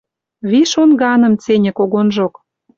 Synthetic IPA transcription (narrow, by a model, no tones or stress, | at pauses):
βiʃonɣɑnɤ̆mt͡senʲɘ̆koɣonʒok